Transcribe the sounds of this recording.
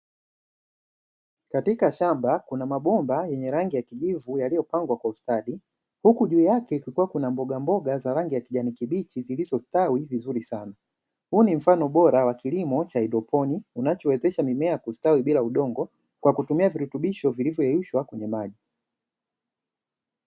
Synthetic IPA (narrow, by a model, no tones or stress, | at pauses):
katikaʃambakunamaɓɔmbajɛɲɛɾaŋɡijakiʄivujalijɔpaŋɡwakwaustaɗi | hukuʄuːjakɛikikuwakunambɔɡambɔɡazaɾaŋɡijakiʄanikiɓit͡ʃizilizɔstawivizuɾisana | huːnim̩fanɔɓɔɾawakilimɔt͡ʃaiɗɔpʰɔniunat͡ʃɔwɛzɛʃamimɛakustawiɓilauɗɔŋɡɔ | kwakutumiaviɾutuɓiʃɔvilivjɔɛjuʃwakwɛɲɛmaʄi